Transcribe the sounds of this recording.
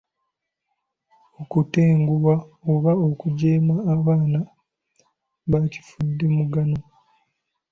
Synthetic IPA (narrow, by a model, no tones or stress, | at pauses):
okuteːŋɡuwaoβaokuɟeːmaːβaːna | βaci̥fudːe̞muɡano